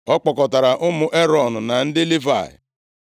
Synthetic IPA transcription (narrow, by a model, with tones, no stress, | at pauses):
ɔ˦k͡pɔ˨kɔ˨ta˨ɾa˨ʔʊ˦mʊ˨ʔe˦ɾɔ˨nʊ˨na˨n̩˦dɪ˦li˦va̰˨ɪ̰˨